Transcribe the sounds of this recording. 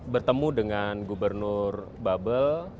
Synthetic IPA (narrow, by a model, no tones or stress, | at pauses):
bərt̪əmudəŋanɡubərnʊr | babəl